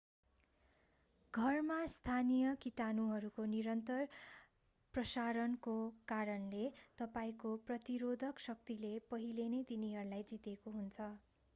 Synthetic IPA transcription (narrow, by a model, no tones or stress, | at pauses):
ɡʱʌrmast̪ʰanijʌkiʈanuɦʌɾukoniɾʌnt̪ʌr | prʌsaɾʌnkokaɾʌnlet̪ʌpaĩkoprʌt̪iɾod̪ʱʌksʌk̚t̪ilepʌɦilenʌjt̪iniɦʌɾulajd͡zit̪ekoɦunt͡sʰʌ